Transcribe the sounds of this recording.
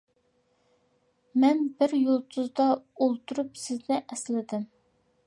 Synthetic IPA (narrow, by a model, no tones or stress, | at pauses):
mɛnbɪɾjolˠt̪ʰuzd̪ɑolˠt̪ʰuɾupsɪznɪʔɛslɪd̪ɪm